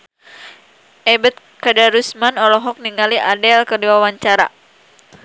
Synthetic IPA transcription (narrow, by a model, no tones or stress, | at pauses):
ʔɛbət̪̚kədaɾusmanɔlɔɦɔk̚niŋaliʔadɛlkərdiwawaɲt͡ʃaɾa̰